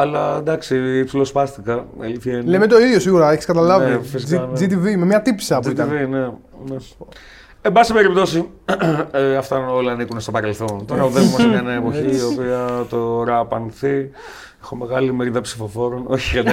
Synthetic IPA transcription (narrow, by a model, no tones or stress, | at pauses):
ɐlɐd̪ɐksipsilo̞spɐst̪ikɐḛliθɐnlemet̪o̞iðʝo̞siɣuɾɐeçi̥skɐt̪ɐlɐvifisd͡ʒit̪ivimemɲɐt̪ipsɐpuit̪ɐnvine | ne | embɐsibe̞ɾip̚t̪o̞si | eɐft̪ɐo̞lɐːnikunest̪opɐɾe̞lθo̞nt̪oɾɐuðevomɐsɐenɐepo̞çiːopiɐt̪oɾɐpɐnθi | exome̞ɣɐlimeɾiðɐpsifo̞fo̞ɾo̞no̞çiɐ